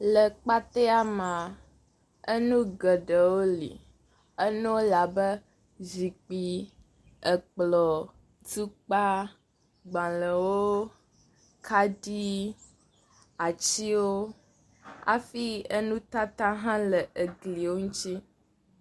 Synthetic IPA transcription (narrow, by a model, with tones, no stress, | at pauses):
lə˨k͡pa˦t̪ɛ˦a˦mã˨ | ə˦nũ˦ɡə˨ɖə˨wo˦lḭ˨ | ə˦nũ˦wo˦la˨bə˦ | zi˨k͡pi˨ | ə˨k͡plɔ˨ | tu˦k͡pa˦ | ɡ͡bã˨lə˨wo˦ | kʰa˦di˦ | a˨t͡ɕi˦wo˦ | a̰˨fi˦ə˦nũ˦t̪a˦t̪a˦ɦã˦lə˨ʔə˨ɡli˨wo˦ŋũ˦t͡ʃi˦